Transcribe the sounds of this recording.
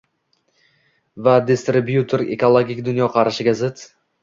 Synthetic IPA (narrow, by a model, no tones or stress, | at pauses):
vad̪ɪst̪ɾɪbjut̪ʰoɾekolˠoɡʲikʲd̪ʊnjɒqʰɑɾɪʃɪɡʲazɪt̪